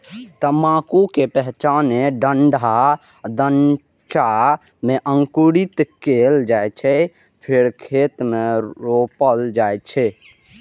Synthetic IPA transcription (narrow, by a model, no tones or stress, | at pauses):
t̪əmakukepɛɦt͡ʃaneɖəɳɖʱa | d̪ən | t͡ʃa | meʔəŋkuɽit̪keld͡ʒajt͡ʃʰɛ | pʰeɾkʰet̪meɾopəld͡ʒajt͡ʃʰɛ